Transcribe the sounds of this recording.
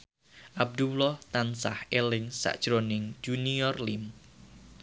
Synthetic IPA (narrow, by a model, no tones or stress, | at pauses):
ʔab̚d̪ulɔht̪ansahʔelɪŋsa̰ʔd̥ʒ̥ɾonɪŋd͡ʒ̥uniɔrlim